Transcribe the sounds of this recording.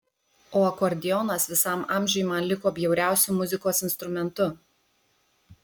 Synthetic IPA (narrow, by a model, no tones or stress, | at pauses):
oːɐkɔɾʲd̪ʲɪjɔnɐsʋʲɪsɐmɑˑmʲʒʲʊjmɐnlʲɪkoːbʲjɛʊɾʲæˑʊsʲumʊzʲɪkoːsɪnst̪ɾʊmʲɛnt̪ʊ